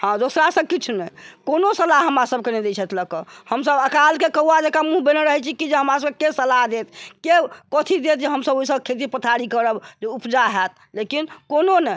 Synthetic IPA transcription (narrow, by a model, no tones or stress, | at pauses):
hãd̪osɾasəkit͡ʃʰnɛkonosəlaɦɦəmɾasəb̚kened̪et͡ʃʰɛt̪ʰləkəhəmsəbəkalkekəɦuad͡ʒekamũɦbeneɾəɦɛt͡ʃʰikid͡ʒeɦəmɾasəbkekesəlaɦd̪et̪̚ʰkekət̪ʰid̪et̪̚d͡ʒeɦəmsəboisəbkʰet̪̬ipət̪ʰaɾikəɾəbd͡ʒeupd͡ʒaɦɛt̪̚ | lekinkononɛ